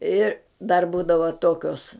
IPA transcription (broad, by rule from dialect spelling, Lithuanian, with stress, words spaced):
ˈɪr dɐr ˈbuːdɐʋɐ ˈtoːkʲoːs